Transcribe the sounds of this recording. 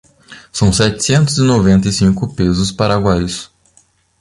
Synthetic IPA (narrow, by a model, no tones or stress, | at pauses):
sɐ̃w̃sɛt͡ʃ̪ɪ̥sẽnt̪ʊzɪnovẽnt̪ɐjsĩŋkʊpezʊspaɾaɡwajs